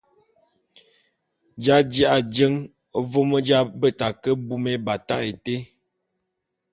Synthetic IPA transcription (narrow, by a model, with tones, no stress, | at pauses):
d͡ʒa˦d͡ʒi˦ʔa˨d͡ʒə˦ŋ˦ | vo˦mə˦d͡ʒa˦bə˦˨ta˨kə˦bu˦me˦ba˨ta˦e˨te˦